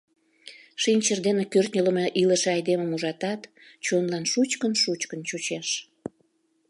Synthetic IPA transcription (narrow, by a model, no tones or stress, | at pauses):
ʃinʲt͡ɕərd̪enekørt̪nʲələmeʔiləʃeɑjd̪eməmuʒɑt̪ɑt̪ | t͡ɕonlɑnʃut͡ɕkənʃut͡ɕkənt͡ɕut͡ɕeʃ